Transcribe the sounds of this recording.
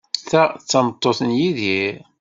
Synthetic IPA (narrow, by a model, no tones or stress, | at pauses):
θæt͡sːɑmət̪ˤːoθənjiðiɾ